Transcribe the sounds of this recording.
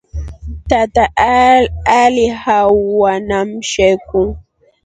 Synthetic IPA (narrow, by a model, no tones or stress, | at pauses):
t̪at̪aʔ | alɪhaːanamʃejkʊŋ